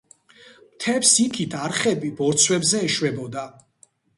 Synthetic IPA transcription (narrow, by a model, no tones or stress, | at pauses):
mt̪ʰɛpsik̪ʰit̪ʰaɾχɛbibɔɾt̪sʰwɛbzɛːʃwɛbɔd̪a